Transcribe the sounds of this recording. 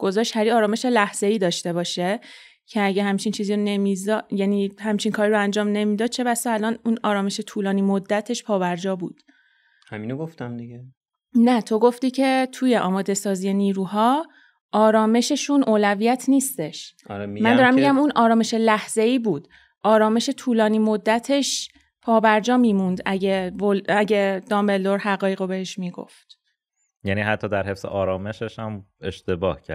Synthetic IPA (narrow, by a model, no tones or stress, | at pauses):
ɡ̥o̞zɒːʃt̪hæɾiɒːɾɒːme̞ʃe̞læhz̥e̞iːd̪ɒːʃt̪e̞bɒːʃe | cʰeæɟehæmt͡ʃʰint͡ʃʰiːziːɾone̞mizɒjæniːhæmt͡ʃʰiŋkʰɒːɾiɾoænd͡ʒɒːmne̞miːd̪ɒːd̪̥̚t͡ʃʰe̞βæsɒælɒnunɒːɾɒːme̞ʃe̞t̪ʰuːlɒːniːmod̪ːæt̪ʰe̞ʃpʰɒːbæɾd͡ʒɒːbuːd̪̥ | hæ̰minoɡoft̪æmd̪iɡe | næt̪ʰo̞ɡo̞ft̪iːcʰe̞t̪ʰuje̞ʔɒːmɒːd̪e̞sɒːzije̞niːɾuːɦɒː | ʔɒːɾɒːme̞ʃe̞ʃunʔoːlævijæt̪ʰniːst̪e̞ʃɾmænd̪ɒːɾæmiɡæmunʔɒːɾɒːme̞ʃe̞læhz̥e̞iːbuːd̪̥ | ʔɒːɾɒːme̞ʃe̞t̪ʰuːlɒːniːmo̞d̪ːæt̪ʰe̞ʃ | pʰɒːbæɾd͡ʒɒːmiːmund̪æɟevolæɟe̞d̪̥ɒmbe̞ld̪o̞ɾhæɣɒːjeɣobeheʃmiːɡo̰ft̪ | jæːniːɦæt̪ʰːɒːd̪æɾɦe̞fsḛʔɒːɾɒːme̞ʃeʃhæmḛʃt̪ebɒːhcʰæ̰ɾ